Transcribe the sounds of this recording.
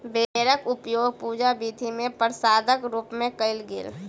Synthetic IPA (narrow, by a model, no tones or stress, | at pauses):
beɾəkʊpjoːɡpuːd͡ʒabiːd̪ʱimẽpəɾsaːd̪əkɾuːpmẽkəɪlɡɪ̰l